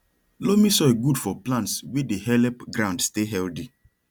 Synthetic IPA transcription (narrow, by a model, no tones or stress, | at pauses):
lomisɔeɡudfɔplãntswedehɛlɛpɡɾãʊ̃ndsteɦɛldi